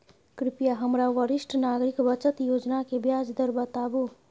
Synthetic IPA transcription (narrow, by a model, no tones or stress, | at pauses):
kɾipjaɦəmɾawəɾisʈʰnaɡɾikbət͡ʃət̪jod͡ʒnakebjad͡zd̪əɾbət̪abu